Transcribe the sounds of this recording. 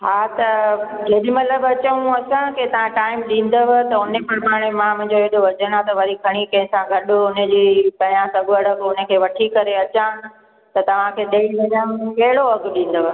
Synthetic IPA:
ɦaːt̪ɐd͡ʑeːɗimɐt̪ləbɐt͡ɕəũɐsãket̪ɐʋ̤ãʈaːɪmɗĩːn̆d̪əʋt̪ɐʊnepɐɾpaːɽ̃emãmʊ̃ɦɪ̃ɲd͡ʑoeɗoʋɐd͡ʑəɽ̃ãt̪ɐʋɐɾikʰɐɽ̃ikɐ̃ɦɪ̃sãɡʱɐɗʊʊnəd͡ʑipɐ̃ãsɐɡəɽəpːʊnə̆kʰeːʋɐʈʰikɐɾeɐt͡ɕã | t̪ɐt̪ɐʋ̤ãkʰeːɗɐilɐnəmkɐɦɪɽoɐɡʊɗĩːn̆d̪əʋ

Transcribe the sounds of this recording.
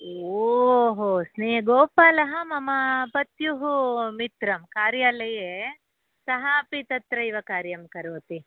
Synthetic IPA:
ooɦosneːɡoːpaːlɐɦɐmɐmɐpɐt̪juɦumit̪ɾɐmkaːɾjaːlɐje | sɐɦaːpit̪ɐt̪ɾɐiʋɐkaːɾjɐmkɐɾoːt̪i

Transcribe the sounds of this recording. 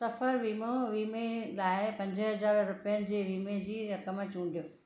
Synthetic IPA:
sɐfəɾʋiːmoʋiːmelaːɪpɐ̃ɲd͡ʑəɦɐzaːɾɾʊpijənɪ̆d͡ʑeːʋiːmed͡ʑiːɾɐkəmt͡ɕũːɳɖijoː

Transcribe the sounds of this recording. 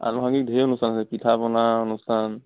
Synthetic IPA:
a̰nɔɦaŋɡik̚dʱeɔnustʰanasɛpitʰapɔnaɔnustʰan

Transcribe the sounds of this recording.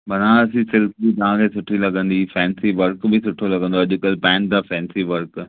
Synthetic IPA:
bɐnãɐsĩsɪlkbit̪ɐʋ̤ãkʰesʊʈʰilɐɠə̃nd̪ifɛ̃ːnsiʋɐɾkbɪsʊʈʰolɐɡə̃nd̪oɐʄʊ̆kɐlpɛ̃ːɳ̚d̪afɛ̃ːnsiʋɐɾk

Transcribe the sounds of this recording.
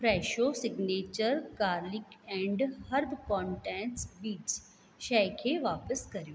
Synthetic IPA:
fɾɛːʃosɪɡneːt͡ʃəɾkaːɾlɪkɛ̃ːɳɖhɐɾbkɔ̃ːɳʈɛ̃ːnʈsbiːt͡ʃ | ʃɛkʰeʋaːpəskɐɾijoː

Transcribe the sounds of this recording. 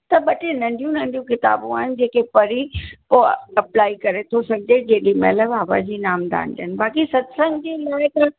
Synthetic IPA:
t̪ɐɓɐʈenɐ̃ɳɖʱijũnɐ̃ɳ̆ɖijũkɪt̪a̰ːbũaːɦɪnɪ̆d͡ʑeːkepɐɾipoːɐplaːikɐɾet̪ʰosɐɡʱɪd͡ʑed͡ʑeːɗimɛ̰ːləaːba̰d͡ʑiːnaːmd̪a̰ːnd̪ənɪ̆baːkisɐd̪sə̃ŋɡd͡ʑiːlaːɽekã

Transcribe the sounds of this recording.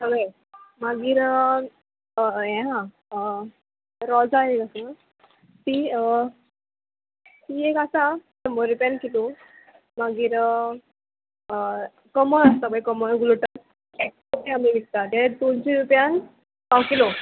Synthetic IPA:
t̪əʋəj | maɡiːɾ | ɛ̃ɦã | ə | ɾɔd͡zaekasa | t̪iə | t̪iekasat̪əməɾupjankilu | maɡiːɾ | ə | kəməəst̪əbəjkəməɾɡuluʈat | ek̚ | opiɦamiʋik̚t̪at̪ed̪ont͡ɕĩɾupjan | kawkilo

